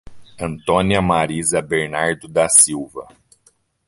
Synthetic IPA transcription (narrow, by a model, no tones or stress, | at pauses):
ɐ̃nt̪õniɐmaɾizɐbeɾnaɾd̪ʊd̪ɐsiwvɐ̰